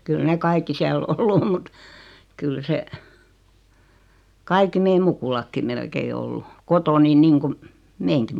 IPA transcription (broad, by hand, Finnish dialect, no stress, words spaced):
kyl ne kɑikːi siæl olːu om mut kyl se kɑikːi meim mukulɑkːim melkei olːu kotoːni niːŋkum meːŋki